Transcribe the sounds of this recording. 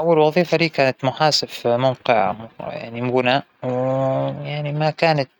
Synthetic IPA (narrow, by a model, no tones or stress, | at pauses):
ʔawːalwɑðˤiːfaliːkaːnat̪mʊħaːsɪfmawqɪʕa̰mja̰ʕnimɡʊna | w | jaʕnimakaːnat̪̚